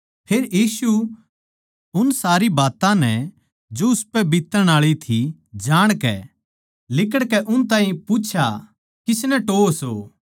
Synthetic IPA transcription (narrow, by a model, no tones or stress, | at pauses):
pʰeːɾjiːsu | ʊnsaːɾibaːt̪ãnɛ | d͡ʒoʊspɛbɪt̪ːəɾəɽ̃aːɭit̪ʰid͡ʒaːɽ̃kɛ̰ | lɪk̬əɽkɛʔʊnt̪ãːɦĩput͡ʃʰa | kɪsnɛʈoːsoː